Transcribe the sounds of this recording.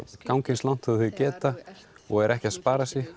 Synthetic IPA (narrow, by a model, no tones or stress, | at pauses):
kawŋcɪnslawn̥t̪ʰaðθʏðcɛːt̪a | ɔɣɛɾʔɛhcɪaðspaːɾasjɛx